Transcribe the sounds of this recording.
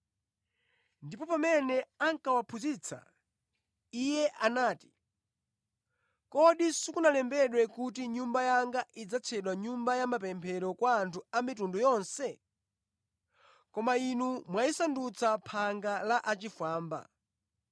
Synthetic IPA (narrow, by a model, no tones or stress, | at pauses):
ndipɔpamɛnɛaŋkawapʰuzit͡sʰa̰ | ijɛʔanaːti̥ | kɔɗisukunalɛmbɛɗwɛkut̬iɲumbajaŋɡaʔid͡zat͡sʰɛɗwaɲumbajamapɛmpʰɛɾɔkwaːntʰuamitundɔjɔnsɛ | kɔmainumwaisandut͡sʰapʰaŋɡalaʔat͡ʃifaːmba̰